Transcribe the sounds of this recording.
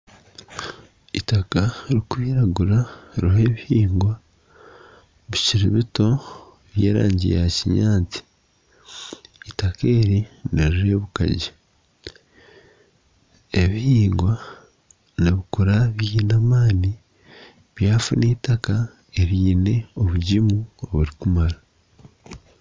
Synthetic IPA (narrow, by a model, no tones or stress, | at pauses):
itakaɾikuβiɾaɡuɾaɾiɦe̞ːβihiːŋɡwa | βiciɾḭβito̞ | βjḛːɾa̰ːɲɟḭjaciɲaːt͡si̥ | take̞ːɾiniɾiɾeːβuka̰ɟi | eβihiːŋɡwa | niβikuɾaβiːnamaːni | βjaːfuniːtaka | e̞ɾiːne̞o̞βuɟimuoβuɾikumaɾa